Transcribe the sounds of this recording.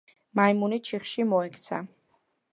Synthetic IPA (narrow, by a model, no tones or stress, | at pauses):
majmunit͡ʃʰiχʃimɔɛkʰt̪sʰa̰